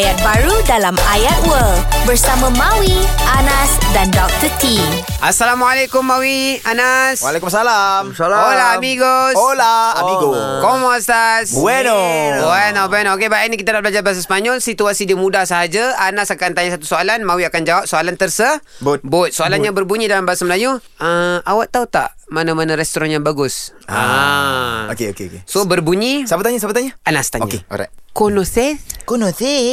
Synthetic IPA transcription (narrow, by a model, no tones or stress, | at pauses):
jat̪̚baɾudalamajat̪̚wəlbərsamãmãwianãsdandɔk̚t̪ət̪iʔasːalamwalekʊmːãwianasalksalaolaamiɡosaiɡkɔmɔst̪asɛnbuɛnobɛnokebaanikit̪alabəlad͡ʒarbas̬aspaɲɔlsit̪uasidimũdahsaɦad͡ʒaanasakant̪aɲasat̪usoalanmawiakand͡ʒawap̚soalant̪ərsəbot̪̚bʊt̪̚soalanɲabərbuɲidalambaasaməlaju | əʔawaʔt̪aut̪a̰ʔmanamanaɾɛst̪ɔɾanjaŋbaɡʊsa | okeokeokesobərbuɲisabət̪aɲasabət̪aɲəanast̪aɲoakeɔ̰ɾa̰konoθɛkonoθɛ